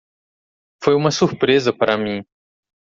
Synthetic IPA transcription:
fojũmɐsuɾpɾezɐpaɾʔɐmĩ

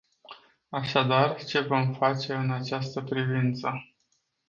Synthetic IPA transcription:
aʃad̪art͡ʃe̞vo̞mfat͡ʃe̞ɨnat͡ʃast̪əpɾivint̪sə

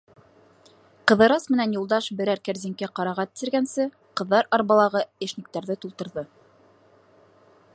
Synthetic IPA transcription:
qɤ̆ðɤ̆ɾɑsmɘ̆nænjulˠd̪ɑʃbɘ̆ɾæɾkæɾzɘ̆ŋkæqɑɾɑʁɑt̪ɘ̥̆sɘ̆ɾɡænsɘ | qɤ̆ðːɑɾɑɾβɑlˠɑʁɤeʃnik̚t̪æɾðɘt̪ulˠt̪ɤ̆ɾðɤ

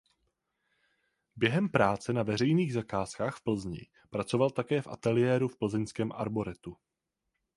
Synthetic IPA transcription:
bjɛɦɛmpɾaːt͡sɛnavɛr̝ɛjniːɣzakaːskaːxfpl̩zɲɪ̰ | pɾat͡so̞valt̪akɛːfʔa̰t̪ɛlɪjɛːɾufpl̩zɛɲskɛːmʔa̰ɾbo̞ɾɛt̪u

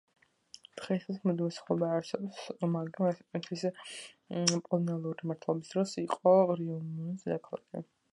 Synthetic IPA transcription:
d̪̥ʁɛsismɛd̪imɛsḁχlɔbaːɾsɛbɔsmaɡɾamat̪ʰi̥t̪ʼnit̪ʰwis | pʼɔlˠɔnɛlˠuɾimaɾt̪ʰlˠɔbisd̪̥ɾɔsiqʼɔɾiɔnunsd̪ɛkʰlˠɔ̰kḭ

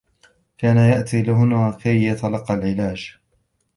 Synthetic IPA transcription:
kaːnajaʔt̪iːlɪɦʊnakajːɑt̪alɑqːɑlʕɪlaːd͡ʒ

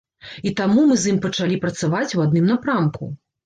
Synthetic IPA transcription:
it̪amumɨzjimpɐt͡ʂalʲipɾɐt̪savat͡sʲwad̪nɨmnapɾamkṵ

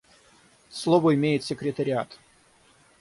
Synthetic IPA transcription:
slˠovəɪmʲejɪt̪sʲɪkɾʲɪt̪əɾʲɪat̪

